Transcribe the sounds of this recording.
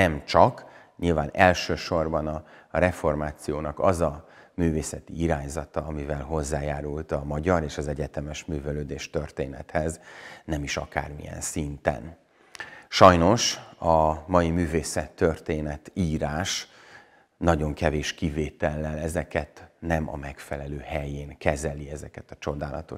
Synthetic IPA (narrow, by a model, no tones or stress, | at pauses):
nɛmt͡ʃɒk | ɲilvaːnɛlʃøːʃo̞rbɒnɒrɛfo̞rmaːt̪sijoːnɒkɒzɒmyːveːsɛt̪iiɾaːɲzɒt̪ɒɒmivɛlɦo̞zːaːjaːɾult̪ɒmɒɟɒɾeːʃɒzɛɟɛt̪ɛmɛʃmyːvɛløːd̪eːʃt̪ørt̪ḛːnɛ̰t̪hɛznɛmiʃɒ̰ka̰ːrmḭjɛ̰nsint̪ɛ̰n | ʃɒjno̞ʃɒmɒjimyːveːsɛt̪ːørt̪eːnɛt̪iːɾaːʃ | nɒɟo̞ŋkɛveːʃkiveːt̪ɛlːɛlɛzɛkɛt̪nɛmɒ̰mɛkfɛlɛløːhɛjeːŋkɛzɛliɛzɛkɛt̪ɒt͡ʃo̞d̪aːlɒ̰t̪o̞